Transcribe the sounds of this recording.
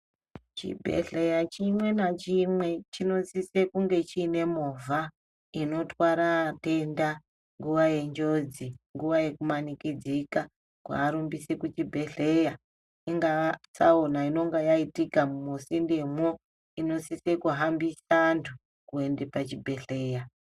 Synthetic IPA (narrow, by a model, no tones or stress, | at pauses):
t͡ʃḭbʱḛɮe̞jat͡ʃimwe̞nat͡ʃimwe̞t͡ʃino̞sise̞kuŋɡe̞t͡ʃiːne̞moːvʱa | ino̞twaɾate̞nda | ŋɡuʋaje̞ɲd͡ʒo̞d͡ziŋɡuʋaje̞kumanikid͡zika | kwa̰ːɾumbisekut͡ʃibʱe̞ɮe̞ja | iŋɡasaonaino̞ŋɡajaitikamumusindemwo | ino̞sisekuɦambisantʰu | kue̞ndepat͡ʃibʱe̞ɬe̞ːja